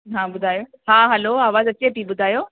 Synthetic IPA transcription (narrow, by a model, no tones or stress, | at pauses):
ɦãːbʊd̪ʱaːjoː | ɦãːɦɛloaːʋaːzɐt͡ɕːepiːɓʊd̪ʱaːjoː